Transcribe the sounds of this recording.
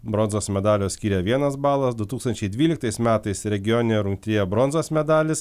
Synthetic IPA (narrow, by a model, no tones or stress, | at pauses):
bɾɔnzoːsmʲɛd̪ɑːlʲoːssʲkʲiːɾʲɛʋʲiɛnɐsbɑːlˠɐsd̪ʊt̪uːkst̪ɐnʲt͡ʃʲɛɪd̪ʲʋʲiːlʲɪkt̪ɐɪsmʲæːt̪ɐɪsɾʲɛɡʲɪjoːnʲɪnʲɛɾʊŋʲk̚t̪ʲɾʲɪjɛbɾɔnzoːsmʲɛd̪ɑːlʲɪs